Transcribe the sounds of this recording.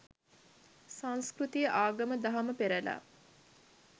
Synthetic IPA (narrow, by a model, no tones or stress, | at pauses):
sãŋskrut̪ijəʔaːɡɐməd̪aɦaməpeɾæla̰